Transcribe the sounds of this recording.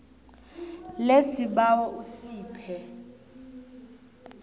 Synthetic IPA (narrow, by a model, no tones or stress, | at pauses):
lesiɓawɔʔusiːpʰɛ